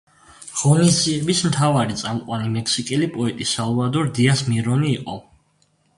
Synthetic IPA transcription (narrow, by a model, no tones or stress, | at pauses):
ʁ̥ɔnisziɛbismt̪ʰavaɾit̪sʼamqʼwanimɛkʰsikʼɛlipʼɔɛt̪ʼisalˠɔvad̪ɔɾd̪iasmiɾɔniːqʼɔ